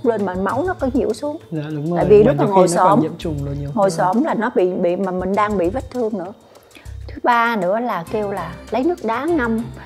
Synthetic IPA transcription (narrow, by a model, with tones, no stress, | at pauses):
k͡p̚lə˧nmaː˨˩nma˨˦wnɔ˨˦kɔ˨˦ɲḭ˧˩əwsu˨˦əŋ˧˨˦ta̰ː˧˨jvi˨˩lʊ˦˥˦k̚maː˨˩ŋo˨˩jsɔ˧˩m˧˨ʊ˧ŋ͡mŋo˨˩jsɔ˧˩mlaː˨˩nɔ˨˦ɓḭ˧˨ɓḭ˧˨maː˨˩mï˨˩ŋ̟ɗaː˧ŋɓḭ˧˨və˦˥t̚t̪ʰɨ˧əŋnɨ̰˧˥ə | t̪ʰɨ˨˦ɓaː˧nɨ̰˧˥əlaː˨˩ke˧wlaː˨˩lə˨˦jnɨ˦˥ək̚ɗaː˨˦ŋa˧m